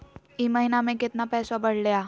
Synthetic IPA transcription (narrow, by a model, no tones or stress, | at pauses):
iməɦinamẽkɪt̪napɛːsabəɽlja